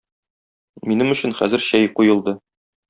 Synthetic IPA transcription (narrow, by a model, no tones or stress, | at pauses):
minɘmɵ̆ɕɘ̆nχæ̰zɘ̆ɾɕæjqujɤ̆lˠd̪ɤ